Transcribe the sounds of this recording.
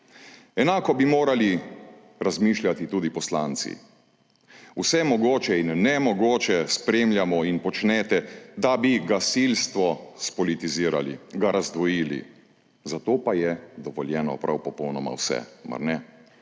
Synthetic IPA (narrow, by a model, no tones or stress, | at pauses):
ɛnaːkɔbimoːɾali | ɾazmiːʃljat̪it̪uːd̪ipɔslaːnt̪sḭ | usɛmɔɡoːt͡ʃɛinːɛmɔɡoːt͡ʃɛspɾeːmljamɔinpɔt͡ʃnɛːt̪ɛd̪abiɡasilst̪ʋɔspɔlit̪iziːɾa̰lḭɡaɾazd̪ʋɔjiːlḭ | zat̪oːpajɛd̪ɔʋɔljɛːnɔ̰pɾʔawpɔpɔwnɔma̰wsɛ̰ma̰ɾnɛ